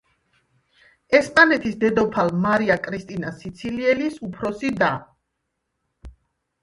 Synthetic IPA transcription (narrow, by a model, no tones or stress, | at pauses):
ɛspʼanɛt̪ʰisd̪ɛd̪ɔpʰalmaɾiakʼɾist̪ʼinasit̪sʰiliɛlisupʰɾɔsid̪a